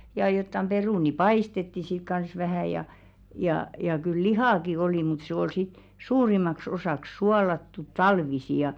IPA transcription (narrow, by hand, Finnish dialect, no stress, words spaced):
jɑ jotːɑm peruˑni pɑistetːi sik kɑns ʋæhæˑ jɑ jɑˑ jɑ kyl lihɑˑki oliˑ mut se oi sit suːrimɑks osɑˑks suɑlɑtːut tɑlʋisi jɑ